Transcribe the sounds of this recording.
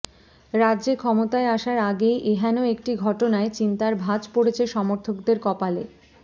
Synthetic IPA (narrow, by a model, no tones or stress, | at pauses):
ɾadːʑekʰɔmot̪aeaʃaɾaɡejʔeɦanoek̚ʈiɡʱɔʈonaet͡ɕint̪aɾbʱad͡ʑpoɽet͡ɕʰeʃɔmoɾt̪ʰokd̪eɾkɔpale